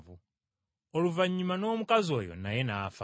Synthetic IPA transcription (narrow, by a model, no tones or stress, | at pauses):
vu | ɔluvaɲimanɔmukazɔjɔ̰najɛnaːfa